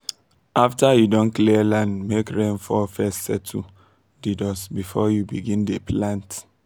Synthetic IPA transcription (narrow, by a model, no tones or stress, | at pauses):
ʔaftajudɔ̃nkliɛlãndmekɹẽnfɔfɛstsɛtʰu | didɔsbifɔjubiɡĩndepʰlãnt